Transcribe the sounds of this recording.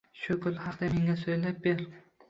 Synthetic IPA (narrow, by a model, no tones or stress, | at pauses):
ʃʊkʰʊlhɑqd̪ame̞ŋʲasojlap̚beɾ